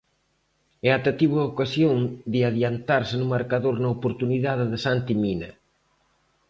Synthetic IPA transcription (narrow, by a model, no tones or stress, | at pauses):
ɛat̪at̪iβʊɐokasjoŋd̪ɪaðjant̪aɾsɪnʊmaɾkaðoɾnɐopoɾt̪uniðaðɪðɪsant̪iminɐ